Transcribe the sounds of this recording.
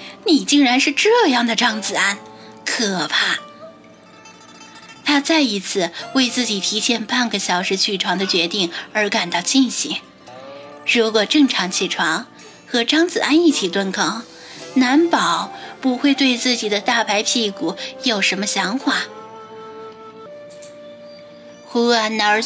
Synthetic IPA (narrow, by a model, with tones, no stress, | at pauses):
ni˨˩t͡ɕi˥˩ŋɻa˧˥nʂɻ̩˥˧ʈ͡ʂɤ˥˧jɑ˥˩ŋd̪ə˩ʈ͡ʂɑ˥ŋt͡sɹ̩˨˩a˥˩n | kʰɤ˨˩pʰa˥˩ | t̪ʰa˥t͡sa˥˩ɪi˧˥t͡sʰɹ̩˥˧we˥˧ɪt͡sɹ̩˥˩t͡ɕi˨˩t̪ʰi˧˥ɕjɛ˥˧npa˥˩nɡə˩ɕjɑ˨˩ʊʂɻ̩˧˥t͡ɕʰy˥˩ʈ͡ʂʰwɑ˧˥ŋd̪ə˧t͡ɕɥɛ˧˥t̪i˥˩ŋə˞˧˥ka˨˩nt̪ɑ˥˧ʊt͡ɕi˥˩nɕi˧˥ŋ | ɻu˧˥kwɔ˨˩ʈ͡ʂɤ˥˩ŋʈ͡ʂʰɑ˧˥ŋt͡ɕʰi˥˩ʈ͡ʂʰwɑ˧˥ŋ | xɤ˧˥ʈ͡ʂɑ˥ŋt͡sɹ̩˨˩ʔa˥ni˥˩t͡ɕʰi˨˩t̪wa˥nkʰɑ˥ŋ | na˧˥npɑ˨˩˦ʊpu˧˥xwe˥˧ɪt̪we˥˧ɪt͡sɹ̩˥˩t͡ɕi˨˩d̪ə˦t̪a˥˩pʰa˧˥ɪpʰi˥˩ku˨˩˦jo˨˩ʊʂə˧˥nmə˧ɕjɑ˧˥ŋxwa˨˩˦ | xu˥a˥˧˩nnə˧˥